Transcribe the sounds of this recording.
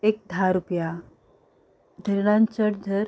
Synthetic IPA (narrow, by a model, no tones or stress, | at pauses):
ek̚d̪ʱaɾupja | d̪ʱəɾɽant͡ɕəɽd̪ʱəɾ